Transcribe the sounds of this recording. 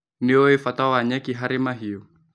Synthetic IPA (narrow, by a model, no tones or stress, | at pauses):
niɔifat̪awaɲakiɦaɾimaɦiɔ